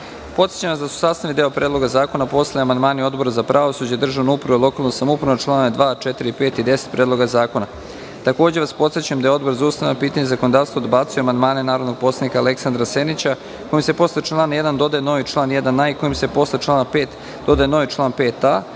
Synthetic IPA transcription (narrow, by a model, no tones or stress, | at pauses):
po̞t̪sjet͡ɕamazd̪asu̥saːst̪aʋid̪eopɾe̞ːd̪lˠo̞ɡazaːko̞napo̞sleamand̪maːnio̞d̪bo̞ɾazapɾʔaʋosud͡ʑed̪r̩ʒanoupɾʋolˠo̞kaːlˠnosamoupɾnot͡ʃlˠaːnad̪ʋaːt͡ʃet̪iɾipeːt̪id̪e̞se̥t̪̚pɾeːd̪lˠo̞ɡazaːko̞na | t̪ako̞ːd͡ʑe̞ʋaspo̞t̪sjet͡ɕuemd̪ajeo̞d̪boɾzaust̪aenopiːt̪aɲezako̞nod̪aːʋst̪voːd̪baːt̪sujuamand̪maːne̞naːɾo̞d̪no̞ɡ̚po̞sad̪nikaːle̞ksand̪ɾasenit͡ɕa | ko̞jimse̞po̞slet͡ʃlˠaːnjed̪and̪o̞d̪ajeno̞ʋit͡ʃlˠaːnjed̪anaiko̞jimsepo̞slet͡ʃlˠaːnapeːt̪ | d̪o̞d̪aeno̞ʋit͡ʃlˠaːnpe̞ːt̪a